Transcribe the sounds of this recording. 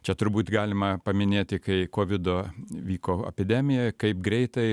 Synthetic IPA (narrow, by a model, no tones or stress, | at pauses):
t͡ʃʲɛt̪ʊɾbuːt̪ɡɑːlʲɪmɐpɐmʲɪnʲeːt̪ʲɪkɐɪkoːʋʲɪd̪oːʋʲiːkoːɛ̰pʲɪd̪ʲæmʲɪjɛkɐɪpɡɾʲɛɪt̪ɐɪ